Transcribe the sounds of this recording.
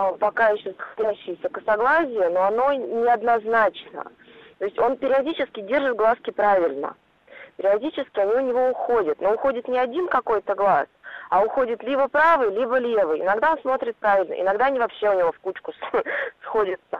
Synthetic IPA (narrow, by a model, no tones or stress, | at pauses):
pɐkajɪɕːozəxdʲaɕːɪjɪsʲəkəsɐɡlˠasʲɪjənoɐno̞nʲɪɐd̪nɐznat͡ɕnə̰ | t̪o̞ɪsʲtʲo̞npʲɪɾʲɪɐdʲit͡ɕɪskʲɪdʲe̞rʐɨt̪̚ɡlˠaskʲɪpɾavʲɪlʲnə̰ | pʲɪɾʲɪɐdʲit͡ɕɪskʲɪɐnʲiʊnʲɪvo̞ʊxo̞dʲɪt̪no̞ʊxodʲɪt̪nʲɪɐdʲinkɐko̞jt̪əɡlˠasɐʊxo̞dʲɪt̪lʲibəpɾavɨjlʲibəlʲe̞vɨjɪ̰nɐɡd̪ao̞nsmo̞t̪ɾʲɪt̪̚pɾavʲɪlʲnə̰ʔɪ̰nɐɡd̪anʲɪvɐpɕːe̞ʊnʲɪvo̞fkut͡ɕkʊssxo̞dʲɪt̪sə